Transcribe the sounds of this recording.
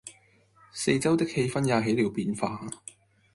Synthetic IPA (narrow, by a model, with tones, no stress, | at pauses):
se˧jt͡sɐ˥wt̪ɪ˥k̚he˥jfɐ˥njaː˧ɦe˨˥jliː˨˧wpiː˨˧nfaː˧